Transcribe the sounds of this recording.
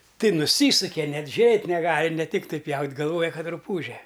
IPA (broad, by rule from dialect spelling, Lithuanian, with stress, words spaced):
ˈtɐɪ nʊˈsʲiːsʊkʲɛ ˈnʲɛt ˈʒʲʊrʲeːtʲ nʲɛˈɡɑːlʲɪ nʲɛ ˈtʲɪktɐɪ ˈpʲjɛʊtʲ ɡɐlˠˈʋoːjɛ ˈkɐt rʊˈpuːʒʲɛ